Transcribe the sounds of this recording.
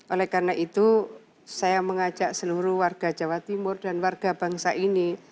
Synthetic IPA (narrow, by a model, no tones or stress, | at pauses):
ʔolɛhkarnaʔit̪u | sajaməŋat͡ʃaʔsəluɾuhwarɡ̥ad͡ʒa̤wat̪imʊrdanwarɡ̥a̤baŋsaʔini